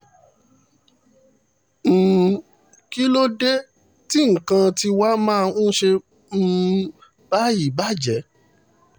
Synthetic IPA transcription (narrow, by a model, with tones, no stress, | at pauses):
m̩̃ː˨ | ki˦lo˦de˦ | ti˦ŋ̩˨kã˧ti˧wa˦mãː˦˧ũ˦ʃe˧ | m̩ː˦˧ | b̥a˦ji˨ba˦˨d͡ʒɛ˨˦